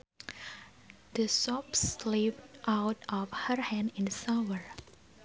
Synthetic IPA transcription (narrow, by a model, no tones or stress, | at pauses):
d̪əsɔpslipʔawtɔfhəɹhɛ̃ndɪ̃nsawəɹ